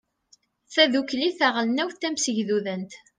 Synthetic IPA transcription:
θæðukliθæʁəlnæwθt̪ːæmsəʝðuðənt̪

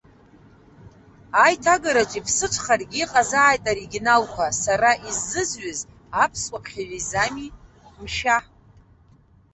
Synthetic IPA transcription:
ajtʰaɡaɾat͡ʃʷʼipʰsɨt͡ʃʷʰχarɡʲiːqʼazaːjtʼaɾiɡʲinalkʷʰasaɾaʔizːɨzɥaz | apʰsʷʼapʰχʲaɥʷᶣizami | mʃa

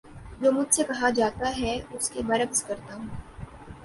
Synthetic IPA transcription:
d͡ʒoːmʊd͡ʒʱsekɐɦad͡ʒaːt̪aɦɛʊskebɐɾəɡzkɐɾt̪aɦũː

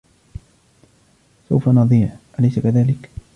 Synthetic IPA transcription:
sa̰wfanɑðˤiːʕʔalajsakaðaːlɪk

